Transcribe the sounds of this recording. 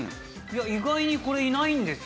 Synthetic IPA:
jaiɡaiɲ̟iko̞ɾe̞inaĩnd̪e̞sɨ

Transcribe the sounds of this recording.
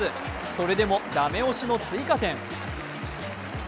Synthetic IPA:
ɨ | so̞ɾe̞d̪e̞mo̞d̪ame̞o̞ɕino̞t͡sɨikat̪ẽ̞ŋ

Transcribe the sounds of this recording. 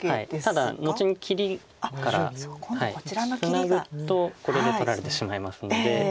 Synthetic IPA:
ait̪ad̪ano̞t͡ɕiɲ̟ikʲʰiɾʲi | kaɾa̰haḭsɨnaɡɯ̟t̪o̞ko̞ɾe̞d̪eo̞ɾaɾe̞t̪e̞ɕimaimasɨnd̪e̞

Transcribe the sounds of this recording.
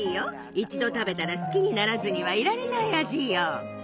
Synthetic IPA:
ijo | it͡ɕid̪o̞t̪abe̞t̪aɾasɨ̥kʲiɲ̟inaɾazɨɲ̟iβaiɾaɾe̞naiaʑiːjo

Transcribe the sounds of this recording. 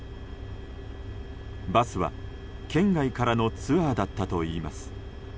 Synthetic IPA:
basɨβa̰ | kʰẽ̞ŋɡaikaɾano̞t͡sɨaːd̪at̪ːat̪o̞iːmasɨ̥

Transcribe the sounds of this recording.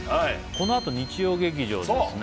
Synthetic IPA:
a | ko̞no̞at̪o̞ɲ̟it͡ɕijo̞ːɡe̞k̬ʲiʑo̞̰ːdesɨn

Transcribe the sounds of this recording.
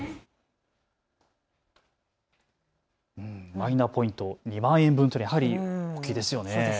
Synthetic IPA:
ɯ̟̃mainaːpo̞ĩnt̪o̞ɲ̟imãɰ̃ẽmbɯ̟̃nt̪oɾʲijaɦaɾʲiokʲid̪e̞sɨjo̞neo

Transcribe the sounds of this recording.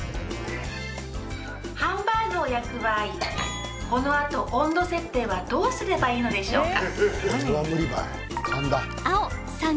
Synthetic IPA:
hãmbaːnoːjakɯ̟baːi | ko̞no̞at̪o̞ʔõnd̪o̞se̞t̪ːe̞ːβad̪o̞ːsɨɾe̞baiːno̞d̪e̞ɕo̞ːkaoamɯ̟ɾʲiba̰ | hãmba | sã

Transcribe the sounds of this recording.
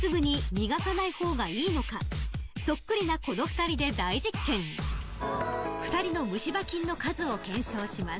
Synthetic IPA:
sɨɡɯ̟ɲ̟imʲiɡakanaiho̞ːɡaiːno̞kaso̞kːɯ̟ɾʲinako̞no̞ɸɯ̟̥t̪aɾʲid̪e̞d̪aiʑikːẽ̞ŋ | ɸɯ̟̥t̪aɾʲino̞mɯ̟ɕibakʲĩnːo̞kazɨo̞kẽ̞ɰ̃ɕo̞ːɕimas

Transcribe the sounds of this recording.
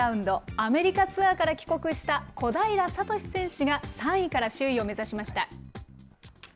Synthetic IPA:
ɯ̟̃nd̪o̞ame̞ɾʲikat͡sɨakaɾakʲi̥ko̞kɯ̟ɕi̥t̪ako̞d̪aiɾasat̪o̞ɕʲi̥sẽ̞ɰ̃ɕiɡasãɰ̃ikaɾaɕɨːio̞me̞zaɕimaɕi̥t̪a

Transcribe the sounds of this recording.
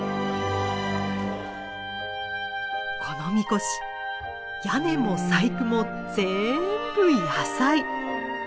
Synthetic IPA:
kʰo̞no̞mʲiko̞ɕi̥ | jane̞mo̞saikɯ̟mo̞ | d͡ze̞mmb̥ɯ̟iasai

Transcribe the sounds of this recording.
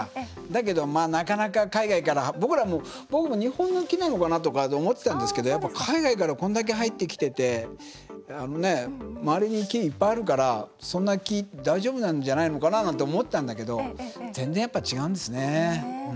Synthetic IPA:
d̪ake̞d̪o̞maːnakanakakaiɡaikaɾabo̞kɯ̟ɾamoː | bo̞kɯ̟mo̞ɲ̟ihõ̞nːo̞kʲinano̞kanat̪o̞kat̪ːmo̞t̪ːet̪ãnd̪esɨ̥ke̞d̪o̞japːakʰaiɡaikaɾakõ̞nd̪ak̬e̞ɦait̪ːe̞kʲi̥t̪e̞t̪e̞ | ano̞ne̞maaɾʲiɲ̟ikʲiːpːaiaɾɯ̟kaɾasõ̞nːakʲid̪aiʑoːbɯ̟nãnd͡ʑanaino̞kananãnt̪̬oːmo̞t̪ːe̞t̪ãnd̪ake̞d̪o̞zẽ̞nzẽjapːat͡ɕiɡaɯ̟̃nd̪e̞sɨne̞

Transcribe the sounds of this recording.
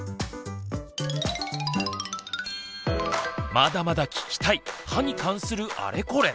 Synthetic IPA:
mad̪amad̪akʲʰi̥kʲi̥t̪aihaɲ̟ikʰãɰ̃sɨɾɯ̟ʔa̰ɾe̞ko̞ɾe

